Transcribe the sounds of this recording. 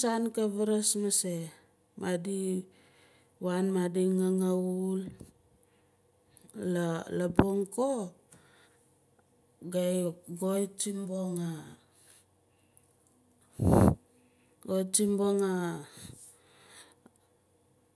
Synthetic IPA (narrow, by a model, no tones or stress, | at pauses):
sankaβaɾasmase | madi | wanmadiŋaŋaul | alaboŋko | ɡajɡojt͡ʃimboŋa | ɡojt͡ʃimboŋa